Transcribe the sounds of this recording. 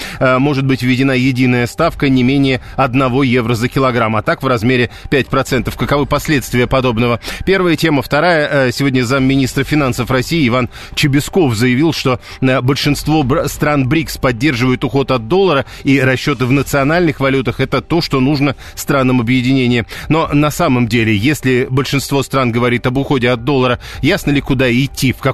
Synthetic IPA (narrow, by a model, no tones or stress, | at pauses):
mo̞ʐɨt̪̚bɨtʲvʲvʲːɪdʲɪnajɪdʲinəjəst̪afkənʲɪmʲenʲɪjɪɐd̪nɐvo̞jevɾəzəkʲɪlˠɐɡɾamɐt̪akvrɐzmʲeɾʲɪpʲæt̚ʲpɾɐt̪sɛnt̪əfkəkɐvɨpɐsʲlʲe̞t̪st̪vʲɪjəpɐd̪o̞bnəvəpʲe̞rvəjətʲe̞məft̪ɐɾajəsʲɪvodʲnʲəzamːʲɪnʲist̪rfʲɪnansəfrɐsʲijɪɪvan | t͡ɕɪbʲɪsko̞fzəjɪvʲilˠʂt̪o̞ | əbəlʲʂɨnst̪vo̞st̪ɾanbɾʲikspɐd̚ʲːe̞rʐɨvəjʊt̪ʊxo̞t̪ɐd̪̚d̪o̞lˠːəɾə | iɾɐɕːo̞t̪ɨvnət̪sɨɐnalʲnɨxvɐlʲut̪əxɛt̪ət̪o̞ʂt̪o̞nuʐnə | st̪ɾanːəmɐbjɪdʲɪnʲenʲɪɪno̞nɐsaməmdʲelʲɪjesʲlʲɪbəlʲʂɨnst̪vo̞st̪ɾanɡəvɐɾʲit̪ɐbʊxo̞dʲɪɐd̪̚d̪o̞lˠːəɾəjasnəlʲɪkʊd̪aɪtʲːifkɐ